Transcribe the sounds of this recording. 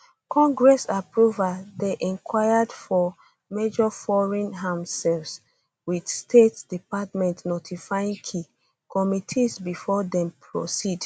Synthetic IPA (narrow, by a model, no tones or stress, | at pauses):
kʰɔ̃ŋɡɹɛsapɹuvadeʔɛ̃nkwajadfɔ | med͡ʒɔfɔɹɛ̃nɦãmsɛls | widstʰetdipatmɛ̃ntnotʰifajĩŋkʰi | kɔmitʰisbifɔdɛ̃mpʰɹɔ̰sid